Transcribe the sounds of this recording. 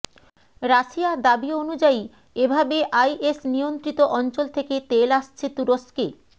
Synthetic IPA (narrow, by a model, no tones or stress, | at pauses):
ɾaʃiad̪abionud͡ʑai | ebʱabeʔajʔesnijont̪ɾit̪oʔɔnt͡ɕolt̪ʰeket̪elaʃt͡ɕʰet̪uɾoske